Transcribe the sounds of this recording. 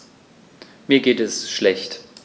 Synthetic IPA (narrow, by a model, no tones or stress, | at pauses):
miːɐɡeːtɛsʃlɛçt